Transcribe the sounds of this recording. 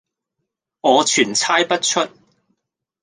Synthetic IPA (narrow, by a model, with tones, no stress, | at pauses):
ŋɔː˨˧t͡ʃʰyː˨˩nt͡sʰaː˥jpɐ˥t̚t͡ʃʰɵ˥t̚